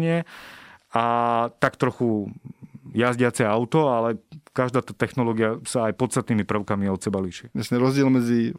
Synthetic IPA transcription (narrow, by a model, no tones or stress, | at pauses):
ɲɪɛ | at̪akt̪ɾɔxu | jazɟɪat͡sɛaʊt̪ɔalɛkaʒd̪aːt̪aːt̪ɛxnɔlɔːɡiasaːjpɔt̪t͡st̪at̪niːmipr̩ʊkamiɔt̪sɛbaliʃiasɲɛɾɔzɟɪɛlmɛd͡zi